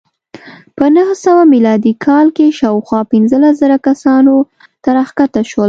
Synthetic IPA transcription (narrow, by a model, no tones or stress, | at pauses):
pənəɦsəwamilɑd̪ikʰɑlkeʃɑwxwɑpɪnzəlas̬zəɾakasɑno | t̪aɾaxkat̪aʃwəl